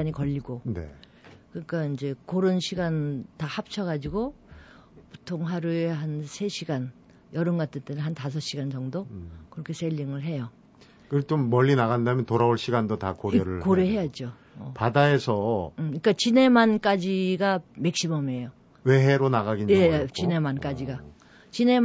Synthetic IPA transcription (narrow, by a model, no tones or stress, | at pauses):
aɲikʌʎːiɡonḛ | kɯɲik͈aind͡ʑe̞koɾɯnɕʰiɡantahap̚t͡ɕʰʌɡad͡ʑiɡo | pu̥tʰoŋɦaɾueɦansʰe̞ɕʰiɡan | jʌɾɯnɡat͈ɯt͈enɯnɦantas̬ʰʌɕ͈iɡand͡ʑʌŋdokɯɾʌkʰe̞sʰeʎːiŋɯɭɦe̞jo | kɯt͡ɕ͈omːʌʎːinaɣandamjʌntoɾaoɭɕʰiɡandotakoɾeɾɯɭkoɾeɦe̞jad͡ʑo | ʌpadaesʰʌɯik͈at͡ɕine̞mank͈ad͡ʑiɡamek̚ɕ͈imʌme̞jo | weɦeɾonaɣaɡiɲjet͡ɕine̞mank͈ad͡ʑiɡa | t͡ɕine̞